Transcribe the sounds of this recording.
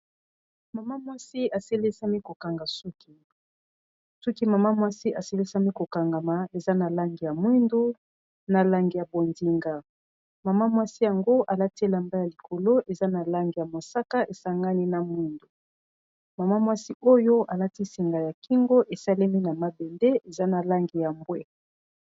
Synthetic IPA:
ma˨ma˦mwa˦si˦a˨se˦le˦sa˦mi˦ko˨ka˨ŋɡa˨su˦kʰi˨ | su˦ki˦ma˨ma˦mwa˦si˦ʔa˨se˦le˦sa˦mi˦ko˨ka˨ŋɡa˨ma˨e˨za˦na˨la˦ŋɡi˨ja˨mwi˦ndu˦ | na˨la˨ŋɡi˨ja˨bo˨ndi˨ŋɡa˨ | ma˨ma˦mwa˦si˦ja˨ŋɡo˦ʔa˨la˦ti˦la˨mba˦ja˨li˨kʰo˨lo˦ʔe˨za˦na˨la˦ŋɡi˨ja˨mo˨sa˦ka˦ʔe˨sa˦ŋɡa˦ni˦na˨mwi˦ndu˨ | ma˨ma˦mwa˦si˦ʔo˦jo˦ʔa˨la˦ti˦si˨ŋɡa˨ja˨ki˦ŋɡo˦ʔe˨sa˦le˦mi˦na˨ma˦be˨nde˦ʔe˨za˦na˨la˦ŋɡi˨ja˨mbwe˦

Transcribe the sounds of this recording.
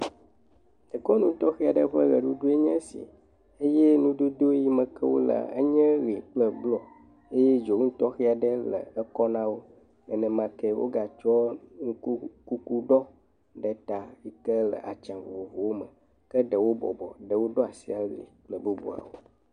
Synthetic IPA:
ə˨kɔ˦nũ˦t̪ɔ˦xi˦a˨ɖə˦ɸə˦ɣə˨ɖu˦ɖu˦e˦ɲɛ̃˦sḭ˨ | e˦jɛ˦nũ˦d̪o˦d̪o˦ji˦mə̃˨kɛ˦wo̰˦la̰˨ə̰˦ɲɛ̃˦ɣi˨k͡plə˦blɔ˨ | e˦jɛ˦d͡ʒo˨˦ŋũ˦t̪ɔ˦xi˦a˨ɖə˦lə̰˨ə˦kɔ˦nã˦wo˦ | ɛ˦nɛ̃˦mã˦kɛ˦wʔo̰˦ɡa˨t͡ʃɔ˦ŋu˦ku˦ku˦ɖɔ˦ | ɖɛ˨t̪a˨ji˦kə˦lə̰˨ʔa˨t͡ʃã˨vo̰˨wo˨vo˨wo˦mə̰̃˨ | kə˦ɖə˨wo˦bɔ̰˨bɔ˨ɖə˨wo˦ɖo˦a˨sḭ˦a˨ɣḭ˨k͡plə˦bu˦bṵ˦a̰˨wo̰˦

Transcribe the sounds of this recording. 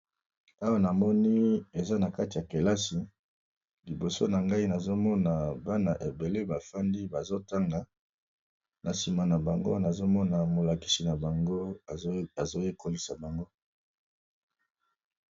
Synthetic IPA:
a˦wa˦na˨mɔ˦ni˦e˨za˦na˨ka˦ti˨ja˨ke˨la˦si˨ | li˨bo˨so˦na˨ŋɡa˦i˦na˨zo˦mɔ˦na˨ba˦na˨ʔe˨be˨le˦ba˨fa˦ndi˦ba˨zo˦ta˦ŋɡa˨ | nʔa˨si˨ma˨na˨ba˨ŋɡo˦na˨zo˦mɔ˦na˨mo˨la˨ki̥˨si˨na˨ba˨ŋɡo˦˨ | a˨zo˦je˦ko˦li˨sa˨ba˨ŋɡo˦

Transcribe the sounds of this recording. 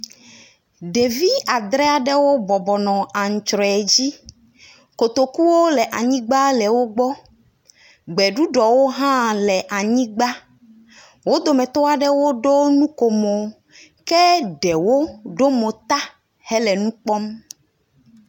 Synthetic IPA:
ɖe˨vi˦a˨d̪ɾɛ˦a˨ɖɛ˦wo˦bɔ˨bɔ˨nɔ̃˨ʔa˨ŋ̩˨t͡ʃɾɔ˨ɛ˨d͡ʑi˦ | ko˨t̪o˨ku˦wo˦lɛ˨ʔa˨ɲĩ˦ɡ͡ba˦lɛ˨wo˦ɡ͡bɔ˦ | ɡ͡bɛ˨ɖu˦ɖɔ˨wo˦ɦã˦lɛ˨ʔa˨ɲĩ˦ɡ͡ba˦ | wo˦d̪o˨mɛ̃˨t̪ɔ˦a˦ɖɛ˦wo˦ɖo˦nũ˦ko˨mɔ˨ | kɛ˦ɖɛ˨wo˦ɖo˦mo˨t̪a˦ | hɛ˦lɛ˨nũ˦k͡pɔ˦m

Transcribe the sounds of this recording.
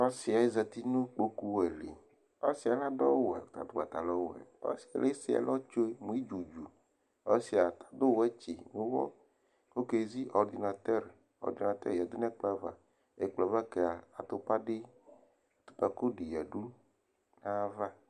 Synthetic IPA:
ɔ˦si˨a˨e˦zɛ˨t̪i˦nũ˦k͡po˦ku˦wɛ˨lḛ˨ | a˦si˨a˨la˦ɖɔ˦wɛ˨t̪a̰˨d̪o˦ɡa˨t̪a˨lɔ˦wɛ̰˨ɔ̰˦si̥˨a̰˨le˦si˨a̰˨lɔ˦t͡ʃo˦e˦mũ˨˦i˦d͡ʒu˨d͡ʒu˨ | ɔ˦si˨a˨t̪ḁ˨d̪o˦wɛ˦t͡ʃḭ˨nũ˨˦wɔ̰˦ | ko˦ke˨zi˦ʔɔ˨ɾd̪i˨na˨t̪ɛ˦ɾ | ɔ̰˨ɾd̪i˨na˨t̪ɛ̰˦ɾja˨d̪o˦na˦k͡pla˦va̰˨ | e˨k͡plɔ˨va˦ke˨a˨a˨t̪o˦pa˦ɖe˦˨ | t̪o̥˨pa˨ko˦ɖi˨ja˨ɖu˦ | nã˦va˦

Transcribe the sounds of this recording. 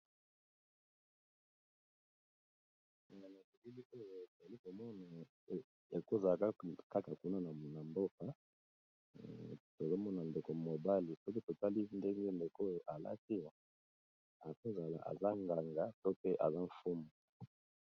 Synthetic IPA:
a˨a˨na˨ki˨ki˦li˦o˦jo˨e˨tza˨li˦ko˨mɔ˦na˨˦ | e˨ko˦za˨la˨˦ka˦ka˨ku˦na˦na˨na˨mbo˦ka˨ | to˨zo˦mɔ˦na˨nde˨ko˨mo˨ba˦li˨so˦k̬i˦to˨ta˦li˦nde˦ŋɡe˦nde˨ko˦jo˨ʔa˨la̰˦ti˦˨ | a˨ko˦za˨la̰˨ʔa̰˨za˦ŋɡa˨ŋɡa˦to˦pe˦ʔa̰˨za˦ɱ̩˨fu˦mu˨

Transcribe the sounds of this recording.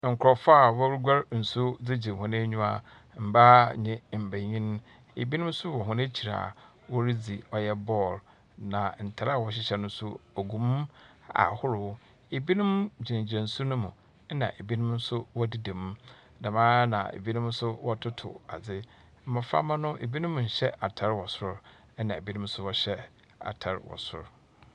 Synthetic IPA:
ŋ̩˨kʊ˨ɾɔ˨fa˦˨wɔ˦wɾu˦ɡa˦ɾn̩˨sʊ˦d͡zɪ˦d͡ʑi˨hʊ̃˨nɪ̃˦ɲᶣũ˦a˨ | m̩˨ba˦ɲɪ̃˦˨m̩˨bæ˨ɲĩ˦ñ˦ | ḛ˨bi˦nʊ̃˦m˦sʊ˦wɔ˨ɦʊ̃˦nɪ̃˦t͡ɕʰi˨ɾa̰ː˨ | wɔ˦ɾi˦d͡zi˨ɔ˨jɛ˦bɔ˦˨l | nã˨n̩˨tʰa˨ɾa˦˨wɔ˨ɕ̬ɪ˦ɕɛ˨nʊ̃˦sʊ˦ɔ˨ɡũ˨m˦a̰˨hʊ˦ɾʊ˨ʊ˦ | e˨bi˦nʊ̃˦md͡ʑi˨ɪ̃˨d͡ʑã˨n˨sʊ˦nʊ̃˦mũ˨ | ɛ˦nã̰˨ʔe˨bi˦nʊ̃˦m˦sʊ˦wɔ˦di˦dɛ̃˨m˦ | da˨mãː˦nã̰˨ḛ˨bi˦nʊ̃˦m˦sʊ˦wɔ˦tʰʊ˦tʰʊ̰˨a̰˨d͡zɪ˦ | m̩˦mã˨fa̰˦mã˦nʊ̃˦ʔe˨bi˦nʊ̃˦m˨ɲ̩˨ɕɛ˦ʔa˨tʰa˨ɾwɔ˨sʊ˦ | ɛ˦nã˨e˨bi˦nʊ̃˦m̩˦sʊ˦wɔ˦ɕɛ˦ | a̰˨tʰa˨ɾwɔ̰˨sʊ̰˦ɾ

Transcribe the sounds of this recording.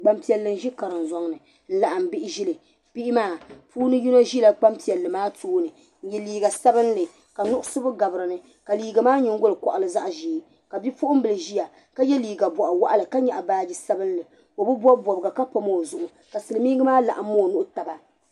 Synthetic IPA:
ɡ͡ba˦mpi˨ɛ˨lːɨ˨nʒi˦ka˨ɾɨ˨nzɔ˦ŋnɨ˨ | n̩˦la˦ʔa˨m̩˨bɪ˦ʔɪ˦ʒi˦lɨ˨ | pi˦ʔɪ˦maː˦˨pʰuː˦nɨ˦ju˦na˦ʒi˦la˨k͡pa˦mpi˨ɛ˨lːɨ˨maː˦tuː˦nɨ˨ | n̩˦jɛ˦liː˨ɡa˨sa˦bɨ˦nlɨ˨ | ka˨nʊ˦ʔʊ˦sɨ˦bʊ˦ɡa˨bɨ˨ɾɨ˨nɨ˦ | ka˨liː˨ɡa˨maː˦ɲɪ˦ŋ˦ɡʊ˦lɨ˨kɔ˨ʔa˨lɨ˦za˦ʔʒiː˦ | ka˨bi˦pʊ˦ʔʊ˦m˦bɨ˨lɨ˨ʒi˦ja˨ | ka˦jɛ˦liː˨ɡa˨bɔ˨ʔa˨wa˦ʔa˦lɨ˨ka˦ɲɛ˨ʔa˨baː˦d͡ʒi˦sa˦bɨ˦n˦lɨ˨ | o˨bɨ˦bɔ˦bɔ˨bɨ˨ɡa˨ka˦pa˦mo˦˨zʊ˨ʔʊ˨ | ka˨sɨ˨lɨ˨mi˦ɡɨ˦maː˦la̰˨ʔa˨m̩ː˦o˦˨nʊ˦ʔʊ˦ta˨ba˨

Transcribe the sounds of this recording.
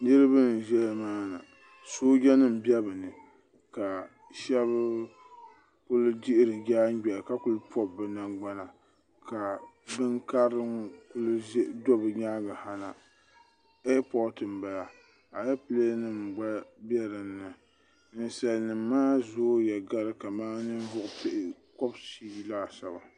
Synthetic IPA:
nɨ˦ɾɨ˦bɨ˦nɨ˨ʒɛ˦maː˦na̰˨ | soː˦ɡʲɛ˦nɨ˦m̩˨bjɛ˦bɨ˨nɨ˨ | ka˨ | ʃɛ˦βɨ˦ | kʊ˦ldi˦ʔɪ˦ɾɨ˨ɡa˦ɲ˦ɡɛ˨ka˦kʊ˦lɨ˦pʰɔ˦bɨ˨na˨ɡ͡ba˦na˨ | ka˨ | bɨ˦ŋka˦ɾɨ˦kʊ˦ldɔ˦bɨ˨ɲaː˦ɡa˨ha˦na˨ | e˦pɔ˦tɨ˨m˨ba˨la˨ | a˨jɛ˦pɨ˦le˦nɨ˦mɡ͡ba˦bɛ˦ɾɨ˨n̩ːɨ˨ | n̩˨sa˨lnɨ˨mː˦aː˦zoː˦jɛ˨ɡa˦ɾɨ˦ka˨maː˦nɨ˦n˦vʊ˦ʔʊ˦pe˦ʔɪ˨kɔ˦bʃi˦laː˦sa˨ba˨

